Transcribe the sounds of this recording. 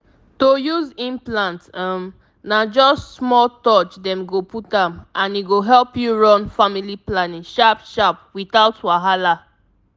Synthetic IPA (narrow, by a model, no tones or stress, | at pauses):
tojuzĩnplãntam | nad͡ʒɔstsmɔltɔt͡ʃdɛ̃mɡoputãmʔãniɡoɦɛlpjuɹɔ̃nfamiliplanĩŋʃapʃapwiθaʊtwaɦala